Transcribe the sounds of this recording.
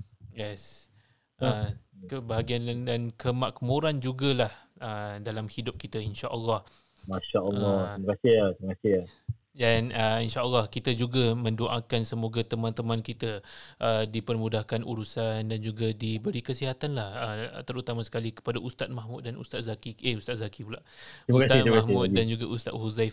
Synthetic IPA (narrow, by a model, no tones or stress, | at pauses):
jɛs | ʔəkəbaɦaɡianndankʰəmak̚muɾand͡ʒuɡalahʔədalamhidʊp̚kit̪ainʃaʔəlːɑh | maʃaɔlɔməkasiat̪iməkasia | danəinʃaʔəlːɑhkit̪ad͡ʒuɡamə̃ndoʔa̰kansəmoɡat̪əmãnt̪əmãnkit̪aʔədipərmudahkanṵɾusandand͡ʒuɡadibəɾikəsiɦat̪anlahət̪əɾut̪amasə̥kalikə̥padaʔust̪at̪̚mahmut̪̚danṵst̪at̪̚zakiʔeust̪at̪̚zakipulaʔimkat̪aiimaahmʊt̪̚dand͡ʒuɡaʔust̪a̰t̪̚huzajf